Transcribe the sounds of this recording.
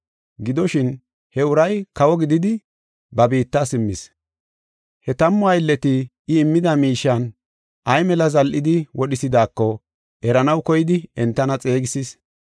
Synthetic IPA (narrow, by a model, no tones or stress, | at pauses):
ɡɪd̪ɔʃɪn | hɛʊɾɐjkɐwɔɡɪd̪ɪd̪ɪ | bɐbiːt̪ːasɪmːɪs | hɛt̪ɐmːʊɐjlːɛt̪ɪ | ɪːmːɪd̪ɐmiːʃːɐn | ʔɐjmɛlɐzɐlʔɪd̪ɪwɔɗɪsɪd̪aːkːɔ | ʔɛɾɐnɐwkɔjɪd̪ɪɛnt̪ːɐnɐt͡sʼe̞ːɡɪsis